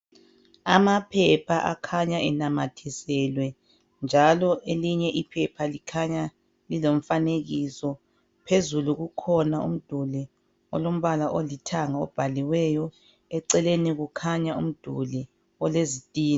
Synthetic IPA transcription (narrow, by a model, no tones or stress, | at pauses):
amapʰɛpʰaʔa̰kʰaɲaɛnamatʰisɛlwɛ | nd͡ʒʱalɔʔeliɲɛʔipʰɛpʰalikʰaɲa | lilom̩faneɣisɔ | pʰezuluɣukʰɔnaṵm̩d̥ʱuli | ɔ̰lom̩βalaʔolitʰaŋaɔ̰b̥ʱaliwɛjɔ | ɛǀɛleniɣukʰaɲaṵm̩d̥ʱuli | ɔlezitʼiːn